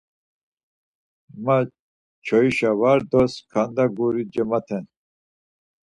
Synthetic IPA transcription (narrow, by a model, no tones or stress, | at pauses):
ma | t͡ʃʰɔiʃavaɾd̪ɔskʰand̪aɡuɾid͡ʒəmat̪ʰɛn